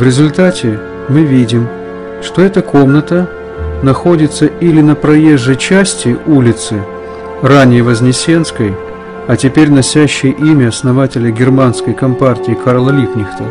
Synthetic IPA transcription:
vɾʲɪzʊlʲt̪atʲɪ | mɨvʲidʲɪm | ʂt̪o̞ɛt̪əko̞mnət̪ə | nɐxo̞dʲɪt̪səʔilʲɪnəpɾɐje̞ʐːəjt͡ɕæsʲtʲɪulʲɪt̪sɨ | ranʲɪjəvəzʲnʲɪsʲe̞nskəj | ɐtʲɪpʲeɾʲnɐsʲæɕːɪjəʔimʲɪɐsnɐvatʲɪlʲəɡʲɪrmanskəjkɐmpartʲɪɪkʰaɾlˠəlʲiknʲɪxt̪ə

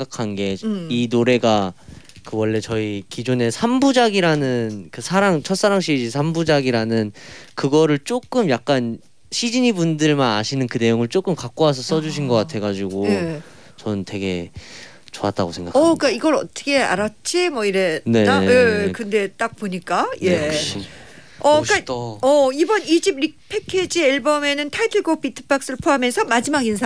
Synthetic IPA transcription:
ɡakʰanɡe̞inoɾe̞ɡa | kɯwʌɭːe̞t͡ɕʌikid͡ʑone̞sʰambud͡ʑaɡiɾanɯnkɯsʰaɾaŋt͡ɕʰʌs͈aɾaŋɕ͈ʰid͡ʑisʰambud͡ʑaɡiɾanɯnkɯɡʌɾɯɭt͡ɕ͈ok͈ɯmjak̚k͈an | ɕʰid͡ʑiɲibundɯɭmana̰ɕʰinɯnkɯne̞joŋɯɭt͡ɕ͈ok͈ɯmkak̚k͈oas̬ʰʌs͈ʌd͡ʑuɕ̬ʰinɡʌk͈atʰe̞ɡad͡ʑiɡo | t͡ɕʌnntwe̞ɡe̞̰ | t͡ɕoa̰t͈a̰ɡosʰe̞ŋɡa̰kak͈aiɡʌɾʌt͈ʌ̥kʰea̰ɾat͡ɕ͈ʰimwʌiɾene̞aekɯnde̞t͈ak̚poɲik͈aje̞k | ʌk͈aʌibʌnid͡ʑibɾik̚pʰe̞kʰed͡ʑieɭbʌme̞nɯntʰajtʰɯɭɡopʰitʰɯ̥bak̚s͈ɯɭpʰoɦamensʰʌmad͡ʑimaɡinsʰa

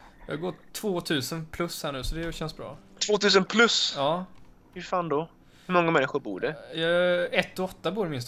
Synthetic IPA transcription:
jɑ̰ːɡoːʈʰv̥oːt̪ʰʉ̟ːsənpʰlɵshæːɳʉ̟ːsɔd̪ɛjɕɛnsbɾɑ̰ː | t̪ʰvoːt̪ʰʉ̟ːsənpʰlɵsɑː | hɵfaːnd̪ɔ | hɵmɔŋːamɛnːɪɧʊɾbṵːɖɛjɑɛt̪ːɔɔt̪ːabuːɾmɪnst̪

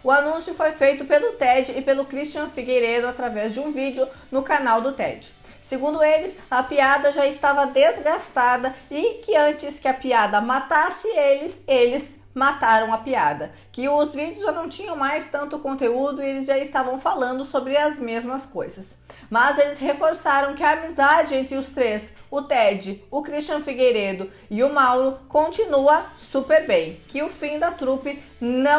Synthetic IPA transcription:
ʊanũsjʊfojfejt̪ʊpelʊt̪ɛd͡ʒɪːpelʊkɾist͡ʃiɐ̃fiɡejɾed̪ʊat̪ɾavɛzd͡ʒɪũvid͡ʒɪʊnʊkanawd̪ʊt̪ɛ̰d͡ʒɪ | sɪɡũnd̪ʊelɪs | ɐpiad̪ɐʒaɪst̪avɐd̪ezɡast̪ad̪ɐɪkɪɐ̃nt͡ʃɪskɪɐpiad̪ɐmat̪asɪelɪzelɪz | mat̪aɾɐ̃w̃ɐpiad̪ɐ | kɪʊzvid͡ʒɪʊzʒanɐ̃w̃t͡ʃĩɲɐ̃w̃majst̪ɐ̃nt̪ʊkõnt̪eud̪ʊielɪzʒaɪst̪avɐ̃w̃falɐ̃nd̪ʊsobɾɪɐzmezmɐskojzɐs | mɐzelɪshefoɾsaɾɐ̃w̃kɪɐːmizad͡ʒɪẽnt̪ɾɪʊst̪ɾesʊt̪ɛd͡ʒɪʊkɾist͡ʃɐ̃fiɡejɾed̪ʊ | ɪʊmawɾʊkõnt͡ʃinuɐsupeɾbẽj̃kɪʊfĩd̪ɐt̪ɾupɪ | nɐ̃

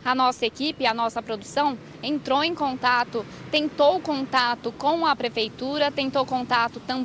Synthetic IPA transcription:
ɐnɔsɐekipɪɐnɔsɐpɾod̪usɐ̃w̃ | ẽnt̪ɾowẽj̃kõnt̪at̪ʊ | t̪ẽnt̪owʊkõnt̪at̪ʊkõw̃ɐpɾefejt̪uɾɐt̪ẽnt̪owkõnt̪at̪ʊt̪ɐ̃

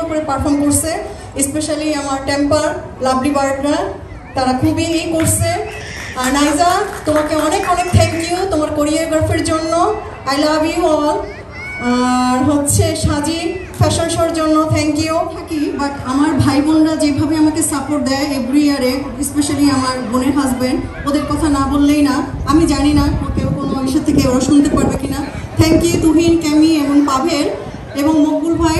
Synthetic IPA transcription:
okoɾepaɾfɔɾmkoɾsʰe | espeʃaliamaɾʈempaɾ | labɖibaɾkɾaɾ | t̪aɾakʰubiekoɾsʰe | aɾnajzat̪omakeɔnekɔnek̚t̪ʰɛkniot̪omaɾkoɾijaɾɡaɾfeɾd͡ʑonːo | ajlaːbiɦɔa | aɾɦotːɕʰeʃad͡ʑiɾfɛʃonʃɔeɾd͡ʑonːot̪ʰɛŋkiot̪ʰakibaʈamaɾbʱajbonɾad͡ʑebʱabeamakesapoʈ̚d̪ɛeebɾiaɾe | speʃaliamaɾboneɾɦazben | od̪eɾkɔt̪ʰanabolːejnaamid͡ʑaninaokewkonoaɡiʃat̪ʰːekeoɾaʃunt̪epaɾbekina | t̪ʰɛŋkijut̪uɦinkɛmieboŋpabʱeɾ | eboŋmoɡ̚bulbʱaj

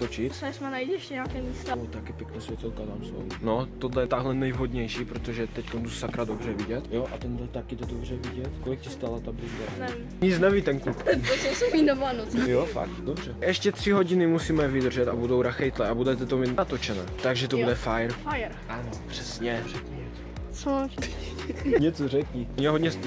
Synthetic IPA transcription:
t̪ot͡ʃɪt̪asmanajdɛʃcɛɲaːkɛːmiːst̪aot̪akjɛpjɛknaːsvjɛt̪ɛlkat̪amso̰wnot̪od̪lɛjɛt̪aɦlɛnɛjɦod̪ɲɛjʃiːpɾot̪oʒɛt̪ɛckont̪usakɾadobr̝ɛvɪɟɛt̪joʔat̪ɛndlɛt̪akɪt̪od̪obr̝ɛvɪɟɛt̪kolɪk̚cɪst̪aːlat̪abizdanɛvi | ɲit͡snɛviːt̪ɛnkluposowsobinomanot͡sjofa̰k̚t̪dobr̝̥ɛʔɛʃcɛt̪r̝̥ɪɦo̞ɟɪnɪmusiːmɛvɪd̪r̩ʒɛt̪abudo̞wɾaxɛjt̪lɛʔabudɛt̪ɛt̪omit̪nat̪o̞t͡ʃɛnɛːt̪aɡʒɛt̪obudɛfajɾjɾʔanopr̥ɛsɲɛpr̥ɛkɲɛɲɛt͡s | t͡so | ɲɛt͡sorɛkɲioɲɛɦodɲɛs

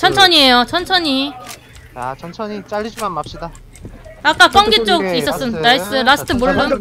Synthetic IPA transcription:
t͡ɕʰʌnt͡ɕʰʌɲie̞jot͡ɕʰʌnt͡ɕʰʌɲi | at͡ɕʰʌnt͡ɕʰʌɲit͡ɕaʎːid͡ʑimanmap̚ɕ͈ida | ak͈ak͈ʌŋɡet͡ɕ͈oɡ̚is͈ʌs͈ɯnnais͈ɯɾasʰɯ̥tʰɯmoɡɯn

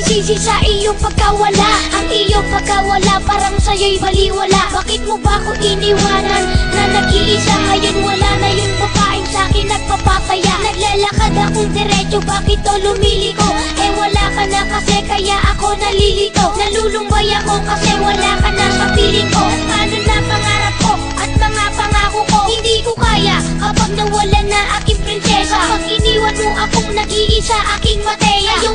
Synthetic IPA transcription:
siːsɪsaʔɪjoŋpɐɡ̚kɐwɐlaʔɐŋɪjoŋpɐɡ̚kɐwɐlapaːɾɐŋsɐjojbɐliwɐlaʔbaːkɪt̪̚mobɐkoʔɪnɪwaːnɐnːɐnɐɡ̚ɪlisaɡɐjonwɐlanɐjoŋpɐpaːʔɪnsɐaːkɪnːɐɡ̚pɐpapɐjaʔnɐɡlalɐkad̪ɐkoŋd̪ɛɾɛt͡ʃobaːkɪt̪̚ːolʊmiːlɪko̞ | ʔɛwɐlakɐnɐkɐsɛkɐjaʔɐko̞nɐliːlɪk̪onɐluːlʊŋbɐjako̞kɐsɛwɐlakɐnɐsɐpiːlɪko̞ɐt̪kaːnʊnɐŋpɐŋaːɾɐp̚ko̞ | ʔɐt̪̚mɐŋapɐŋaːkʊko̞hɪnd̪iːkokaːjakɐpaɡ̚nɐwɐlanɐʔaːkɪŋpɾɪnsɛsapɐɡɪniːwɐnmoʔɐkoŋnɐɡiʔɪsɐʔaːkɪŋmɐt̪ɛjɐjʊ

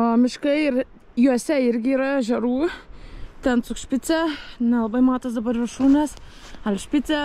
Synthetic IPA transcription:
oːmʲɪʃkɐɪɪɾ | juɔsʲɛɪɾʲɡʲɪiːɾɐʒʲɛɾuː | t̪ʲɛnt̪sʊkʃʲpʲɪt̪t͡s̪ʲɛnʲɛlˠɐbɐɪmɑːt̪ɐsd̪ɐbɐɾʋʲɪrʃuːnʲɛs | ɐlʲʃʲpʲɪt̪t͡s̪ʲɛ

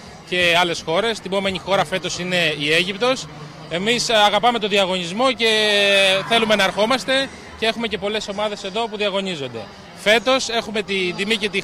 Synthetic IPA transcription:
ce̞ɐle̞sxo̞ɾe̞st̪ibo̞me̞ɲixo̞ɾɐfe̞t̪o̞sine̞ie̞ʝipt̪o̞s | e̞misɐɣɐpɐme̞t̪oðiɐɣo̞ɲizmo̞ce̞θe̞lume̞nɐːɾxo̞mɐst̪e̞ | cee̞xume̞ce̞po̞le̞so̞mɐðe̞se̞ðo̞puðiɐɣo̞nizo̞nd̪e̞̰ | fe̞t̪o̞se̞xume̞t̪ind̪imice̞t̪i

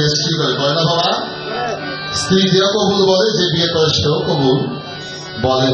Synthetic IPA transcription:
estɾikoɾebɔjnabʱaba | st̪ɾid̪iokobuɾbɔled͡ʑebiekɔɾeʃokobuɾ | bɔle

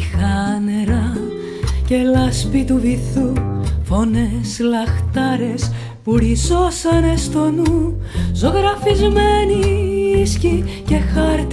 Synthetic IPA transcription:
xɐneɾɐ | ce̞lɐspit̪uviθufo̞ne̞slɐxt̪ɐɾe̞s | puɾiso̞sɐne̞st̪o̞nuzo̞ɣɾɐfizmeniiscice̞xɐɾt̪

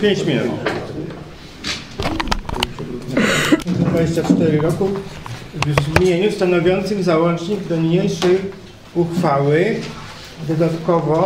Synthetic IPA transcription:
pʲjeɲt͡ɕmʲinʲṵt̪ | pʂɛbɾud̪ɲɛzd̪vaeɕt͡ɕat͡ʂt̪ɛɾɘɾɔku | vzmjeɲust̪anɔvʲjɔnt̪sɘmzawɔnt͡ʂɲiɡd̪ɔmɲejʂɛj | uxfawɘ | d̪ɔd̪at̪kɔvɔ

